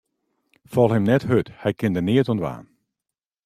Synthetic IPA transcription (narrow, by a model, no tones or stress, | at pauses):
fɔlˠhɛmnɛthøthɛjkɪndəniətɔnʋa̰ːn